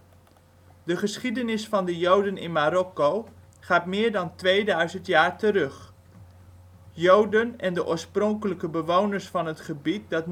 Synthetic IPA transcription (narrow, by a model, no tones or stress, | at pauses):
dəχəsχidənɪsfɑndəjowdənɪ̰nmaɾɔko | χaːtmɪːɹdɑntʋejdœɥzəntjaːɹtəɾɵχ | jowdənɛndəʔo̰ːɹsprɔŋkələkəbəʋownəɹsfɑnɦətχəbit̚dɑt